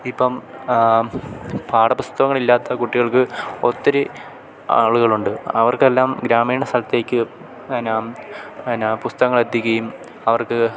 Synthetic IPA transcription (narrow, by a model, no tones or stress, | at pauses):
ipːɐm | paːɽɐpust̪ɐɣɐŋːɐɭilːaːt̪ːɐkuʈːiɣɐɭkɨo̞t̪ːɐɾe | a̰ːɭuɣɐɭuɳɖɨɐʋɐrkelːaːmɡɾaːmiːɳɐsɐlɐt̪ːeːkʲːɨ | ɐnaːmnapust̪ɐɣɐŋːɐɭed̪jikʲːɐjum | ɐʋɐrkɨ